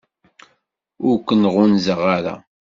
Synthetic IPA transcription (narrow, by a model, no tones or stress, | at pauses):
ʊɾkʷːənʁʊnzəʁaɾa̰